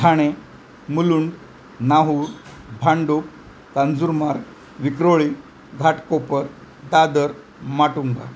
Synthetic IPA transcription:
tʰaɽ̃e | muluɳɖ | naɦuɾ | bʱaɳɖuk̚ | kand͡zuɾmaɾ | ʋikɾoɭi | ɡʱaʈkopəɾ | d̪ad̪əɾ | maʈuŋɡa̰

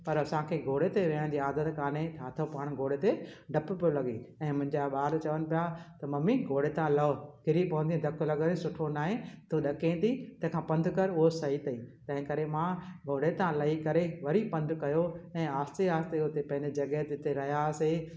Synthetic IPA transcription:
pɐɾɐsãkʰeːɡʱoːɽet̪eʋɐəɽ̃d̪iːaːd̪ət̪kaːnet͡ɕʰaːt̪ʰopaːɽ̃ɡʱoːɽet̪eɖʱɐppijolɐɠḭɛ̃ːmʊ̃ɦɪ̃ɲd͡ʑaɓaːɾt͡ɕɐʋənɪ̆pijat̪ɐmɐmiɡʱoːɽet̪ãlɐokɪɾipɐʋə̃nd̪ĩd̪ʱɐklɐɡəɾesʊʈʰonaːɦẽt̪uɗɐkẽːt̪it̪ɐ̃ɦɪ̃kʰãpɐ̃nd̪ʱkɐɾʊɦosɐit̪ɐĩːt̪ɐ̃ɦɪ̃kɐɾemãɡʱoːɽet̪ãlɐɦikɐɾeʋɐɾipɐ̃nd̪ʱkɐjoɛ̃ːaːst̪eaːst̪eʊt̪epɐ̃ɦɪ̃ɲd͡ʑed͡ʑɐɡəɦt̪t̪eɾɐɦjase

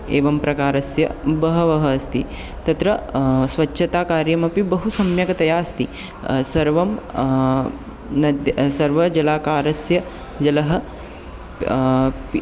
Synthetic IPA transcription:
eːʋɐmpɾɐkaːɾɐsjɐbɐɦɐʋɐɦɐɐst̪i | t̪ɐt̪ɾɐsʋɐt͡ʃːʃʰɐt̪aːkaːɾjɐmɐpibɐɦusɐmjɐkɐt̪ɐjaːst̪i | sɐɾʋɐm | nɐd̪sɐɾʋɐd͡ʒɐlaːkaːɾɐsjɐ | d͡ʒɐlɐɦɐ̆ | p

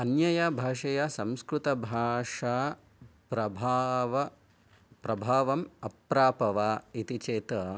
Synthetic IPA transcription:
ɐnjɐjɐbʱaːʂɐjasɐmskɾut̪ɐbʱaːʂaː | pɾɐbʱaːʋɐ | pɾɐbʱaːʋɐmɐpɾaːpɐʋaːit̪it͡ʃeːt̪ɐ

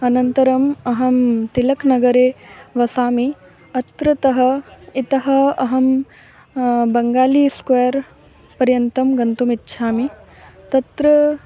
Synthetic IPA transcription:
ɐnɐnt̪ɐɾɐmɐɦɐmt̪ilɐknɐɡɐɾeːʋɐsaːmi | ɐt̪ɾɐt̪ɐɦɐit̪ɐɦɐɐɦɐm | bɐŋɡaːliːskʋɐjɐɾ | pɐɾjɐnt̪ɐmɡɐnt̪umitːʃʰaːmi | t̪ɐt̪ɾɐ

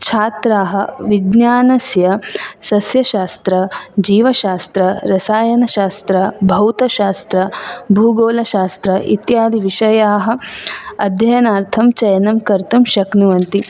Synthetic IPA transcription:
t͡ʃʰaːt̪ɾaːɦɐ̆ʋiɡnjaːnɐsjɐsɐsjɐʃaːst̪ɾɐd͡ʒiːʋɐʃaːst̪ɾɐɾɐsaːjɐnɐʃaːst̪ɾɐbʱɐwt̪ɐʃaːst̪ɾɐbʱuːɡoːlɐʃaːst̪ɾɐʔḭt̪jaːd̪ʱiʋiʃɐjaːɦɐ̆ɐd̪ʱjɐjɐnaːɾt̪ʰɐmt͡ʃɐjɐnɐmkɐɾt̪umʃɐknuʋɐnt̪i

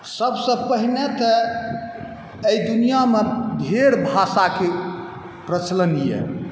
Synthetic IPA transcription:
səbsə̃bpəɦinet̪ɔ | ejd̪unijamed̪ʱeɾbʱasake | pɾət͡ʃʰlənijɛ̰

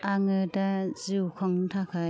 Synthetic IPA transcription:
aŋɯdaziwkʰɔŋtʰakʰa

